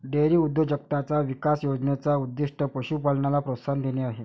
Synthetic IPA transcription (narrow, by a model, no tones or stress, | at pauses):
ɖeɾiːud̪ʱːjəd͡ʑəkt̪at͡saʋikasjod͡znet͡saud̪ːiʂʈəpəɕuːpalnalapɾosand̪eneaɦe